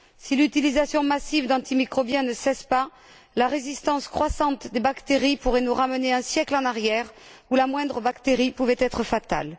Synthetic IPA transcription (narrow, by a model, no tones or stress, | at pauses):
silyt̪ilizasjɔ̃masivd̪ɑ̃t̪imikχɔbjɛ̃nəsɛspa | laʁezist̪ɑ̃skχwasɑ̃t̪d̪ebakt̪eʁipuʁɛnuʁaməneɛ̃sjɛklɑ̃naʁjɛʁ | ulamwɛ̃d̪ʁəbakt̪eʁipuvɛt̪ɛt̪χəfat̪a̰l